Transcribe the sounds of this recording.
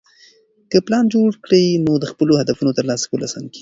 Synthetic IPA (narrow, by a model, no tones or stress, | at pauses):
kəplɑnd͡ʒoɽkɽənod̪əxpəlohad̪afunot̪əɾlɑsḁkəlasɑ̰nki̥